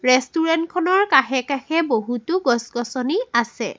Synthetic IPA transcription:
ɹɛstuɹɛntkʰɔnɔɹkaxɛkaxɛboɦutʊɡɔsɡɔsɔniasɛ̰

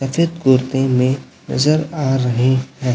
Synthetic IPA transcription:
sɐfeːd̪ɡʊɾt̪ẽmẽ | nɐ̰zəɾaːɾɐɦeɦɛ̃ː

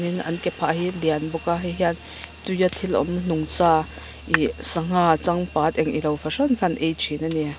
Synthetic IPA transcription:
ninɐ̰nkɛpʰaʔɦilianbɔkaɦiɦian | t̪ujat̪ʰilɔ̰mn̥ʊŋt͡sa | ʔisaŋ̥at͡saŋpaːt̪̚ɛŋʔḭlɐwfasɔnkʰanʔɛjt͡ʃʰinani

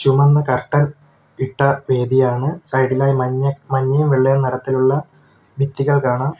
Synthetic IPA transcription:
ɕumɐnːɨkɐrʈːɐn | iʈːɐʋe̞ːd̪ijaːɳɨsɐjɖilaːjmɐɐmɐɲːɐjumʋiɭːejɐnɐɽɐt̪ːiluɭːɐ | bʱit̪ːiɣɐɭkaːɳɐm

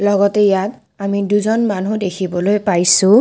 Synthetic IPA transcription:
lɔɡɔtɛjat | amiduzɔnmanudekʰibɔlojpajsʊ̃

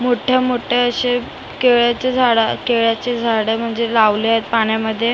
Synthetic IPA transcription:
moʈʰəmoʈʰəəɕe | keɭjat͡sed͡zʱaɽəkeɭjat͡sed͡zʱaɽəm̤əɳd͡zelaʋleaɦet̪̚paɳjaməd̪ʱːje

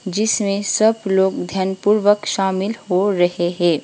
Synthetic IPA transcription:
d͡ʒɪsmẽsɐbloːɡd̪ʱjənpuɾʋəkʃaːmɪlhoɾɐɦeɦɛ̃ː

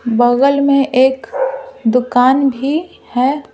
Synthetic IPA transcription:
bəɣəlmẽʔeːkd̪ʊkaːnbʱi | hɛː

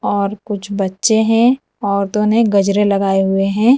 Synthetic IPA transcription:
ɔːɾkʊt͡ʃʰbɐtːʃeɦɛ̃ | ɔːɾt̪oːneɡɐd͡ʒɾelɐɡaːeɦʊeɦɛ̃ː

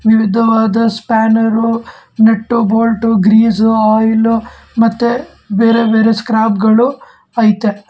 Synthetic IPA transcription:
ʋiʋid̪ʱɐʋaːd̪ɐspaːnɐɾu | neʈːuboːlʈuɡɾiːzuaːjlu | mɐt̪ːe | beːɾebeːɾeskɾaːpɡɐɭu | aːjt̪ːe

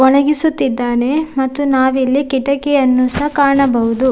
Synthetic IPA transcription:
ɔɳɐɡisut̪ːid̪ːaːne̞mɐt̪ːunaːʋilːikiʈɐkeɐnːusɐɦkaːɾɳɐbɐɦud̪u

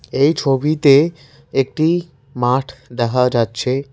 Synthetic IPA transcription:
ejt͡ɕʰobit̪e | ek̚ʈi | maʈʰd̪ɛkʰad͡ʑatːɕʰe

